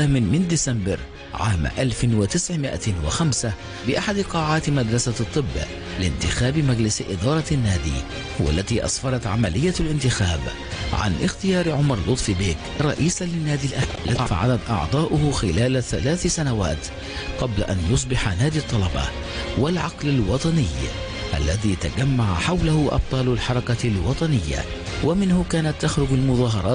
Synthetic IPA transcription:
aːmɪnmɪnd̪ɪsambɑɾ | ʕa̰ːmʔalfɪwɪt̪ɪsʕmɪʔa̰wɪ̰xamsa | bɪʔaħad̪qɑːʕaːt̪mad̪ɾˤɑsat̪ˤːɨbː | lɪ̰nt̪ɪxaːbɪmad͡ʒlɪsʔɪ̰d̪ɑːɾˤɑnːaːd̪ḭ | hʊwa̰lːaðiːʔɑ̰sˤfɑɾˤɑt̪ʕamalɪjːalʔɪnt̪ɪxaːb | ʕa̰nʔɪxt̪ɪjɑːɾʕʊmɑɾˤlʊt̪ˤfibɪːk | ɾˤɑ̰ʔiːsalɪnːaːd̪ilʔalʔafa̰ʕalat̪ʔɑ̰ʕd̪ˤɑːʔʊhʊxɪlaːlθalaːθsanawa̰ːt̪ | qɑbla̰ʔa̰njʊs̬ˤbɪħanaːd̪it̪ˤːɑlɑbɑ̰ | walʕɑqlalwɑt̪ˤɑnɪj | ʔa̰lːaðiːt̪aɡamːaʕa̰ħawlahʊʔɑ̰b̚t̪ˤɑːlalħɑɾˤɑkalwɑt̪ˤɑnɪjːa̰ | wʔamɪnhʊkaːnat̪ːaxɾʊɡalmʊðɑːɦɑɾˤɑː

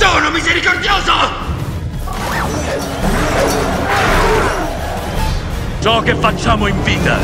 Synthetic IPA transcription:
soːnomizeɾikord̪joːzo | t͡ʃɔkefːat͡ʃːaːmoiɱviːt̪a̰

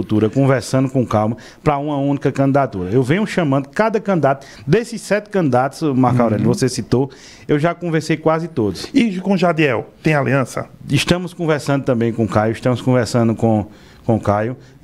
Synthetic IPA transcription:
ut̪uɾɐkõvɛɾsɐ̃nd̪ʊkõkawmɐ | pɾɐũmɐũnikɐkɐ̃nd̪id̪at̪uɾɐewvẽjɲʊʃɐ̃mɐ̃nd̪ʊkad̪ɐkɐ̃nd̪id̪at̪ʊ̥ | d̪esɪsːɛt̪ɪ̥kɐ̃nd̪id̪at̪ʊ̥zmaɾkawɾɛlɐvosesit̪o | ewʒakõveɾsejkwazɪt̪od̪ʊsiʒukõʒad̪iɛwt̪ẽj̃aliɐ̃sɐ̰iʃt̪ɐ̃mʊskõvɛɾsɐ̃nd̪ʊt̪ɐ̃mbẽj̃kõkajʊiʃt̪ɐ̃mʊskõvɛɾsɐ̃nd̪ʊkõ | kõkajʊ

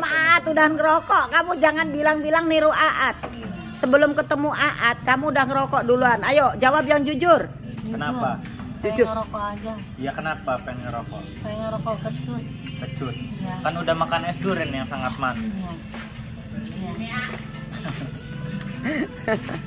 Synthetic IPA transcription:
maʔaʔat̪udahankəɾokɔʔkamud͡ʒaŋanbilaŋbilaŋniɾuʔaʔat̪̚ | səbəlʊmkət̪əmuʔaʔat̪̚kamuːdahŋəɾokɔʔduluanajod͡ʒawabjaŋd͡ʒud͡ʒʊr | kənapa | d͡ʒud͡ʒɾokɔad͡ʒa | jakənapapɛŋkəɾokɔ̰ʔpɛŋɾkɔkət͡ʃʊt | kət͡ʃʊtkanudahmakanɛsduɾɪnjaŋsaŋat̪̚man

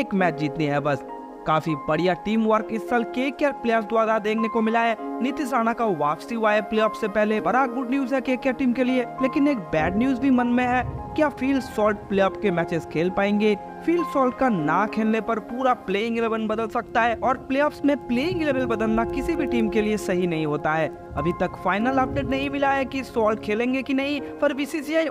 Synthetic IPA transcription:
eːkmɛːt͡ʃd͡ʒiːt̪niɦɛbɐs | kaːfibɐɽijaʈiːmʋəɾkɪsːəlkeːkɛːɾpleːɔːpsd̪ʊaːɾad̪eːkʰnekomɪlaːeːnɪt̪ɪs̬aːnakaʋaːfsiɦuaːepleːɔːpsepɛɦlebɐɾaːɡ̚ɡʊɖnjuːzɦɛkeːkɛːɾʈiːmkelieleːkɪneːk̚bɛːɖnjuːzbʱimɐnmẽɦɛːkjafiːlsɔːlʈ̚pleːɔːpkemɛːt͡ʃɪzkʰeːlpaːẽːŋɡe | fiːlsɔːlʈ̚kanakʰeːlnepɐɾpuːɾapleːɪ̃ŋɡleːbənbɐd̪əlsɐk̚t̪aɦɛʔɔːɾpleːɔːpsmẽpleːɪ̃ŋɡɪleːbəlbɐd̪əlnakɪsibʱiʈiːmkeliesɐɦinɐɦĩɦoːt̪aɦɛː | ɐ̰bʱit̪ɐkfaːɪnəlaːp̚nenɐɦĩmɪlaɦɛkisɔːlʈkʰeːlẽːŋɡekinɐɦĩfʰɐɾʋiːsiːsiaːj

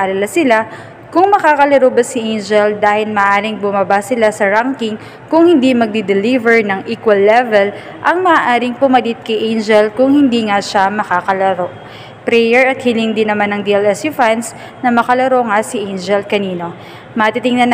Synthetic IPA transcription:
ʔɐlɐlasɪla | kʊŋmɐkaːkɐlɐɾobɐsɪʔejnd͡ʒɛld̪aːhɪlmɐːʔaːɾɪŋbʊmabasɪlasɐɹaŋkɪŋ | kʊŋhɪnd̪imɐɡ̚d̪id̪ɛlivɛɹnɐŋʔiːkwɐlːɛvɛl | ʔɐŋmɐʔaʔaːɾɪŋpʊmɐlɪt̪̚kɐjʔejnd͡ʒɛlkʊŋhɪnd̪iːŋaʃamɐkaːkɐlɐɾo̞ | pɾɛjɛɹɐt̪̚hilɪŋd̪ɪnːɐmanːɐŋd̪iɛlɛsjufans | nɐmɐkɐlɐɾo̞ŋasɪʔejnd͡ʒɛlkɐniːno̞ | mɐt̪it̪ɪŋnɐn

